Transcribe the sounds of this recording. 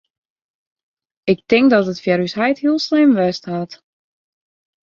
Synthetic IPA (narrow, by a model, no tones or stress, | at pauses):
ɪk̚tɪŋk̚dɔtətfjaɾysɛjthiəlˠslɪmʋɛstɦhat